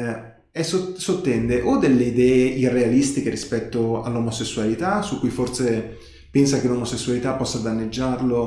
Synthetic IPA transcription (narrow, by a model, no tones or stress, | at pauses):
ɛsosot̪ːɛnd̪eʔod̪elːeid̪ɛːeʔirːealist̪ik̟eɾispɛt̪ːoa̰lːomosesːualit̪asukːujforse | pɛnsakelomosesːualit̪apːɔsːad̪anːed͡ʒːarlo